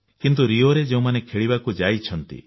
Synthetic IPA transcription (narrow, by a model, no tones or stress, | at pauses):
kint̪̬uɾioɾed͡ʒeũmanekʰeɭibakud͡ʒajt͡ʃʰɔnt̪ḭ